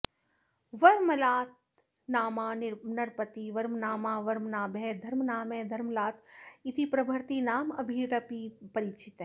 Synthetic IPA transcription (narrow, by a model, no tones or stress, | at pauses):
ʋɐɾmlaːt̪̚ | naːmaːnnɐɾpət̪iʋɐɾmnaːmaːʋɐɾmnaːbed̪ʱɐɾmnaːmẽd̪ʱɐɾmlaːt̪it̪ʰipɾɐbʱɐɾt̪inaːmɐbʱiɾɐpipɐɾit͡ʃit̪ɦẽː